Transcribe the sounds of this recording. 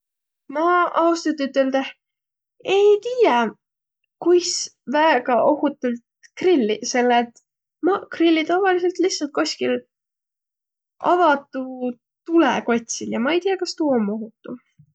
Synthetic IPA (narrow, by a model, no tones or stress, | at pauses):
mɑɑust̪ɑt̪ːyt̪ːˑeld̪eh | e̞jt̪iːjɑ | kujsvæeɡ̥ɑʔo̞hut̪ːˑult̪krilːise̞lːet̪ | mɑkrilʲːit̪ɑvɑlise̞lt̪lihsːɑlt̪̚ko̞sʲkil | ʔɑvɑt̪ːˑu | t̪ulḛko̞t̪ʲsiljɑmɑe̞jt̪ijːɑkɑst̪uːomːo̞ɦut̪ːˑu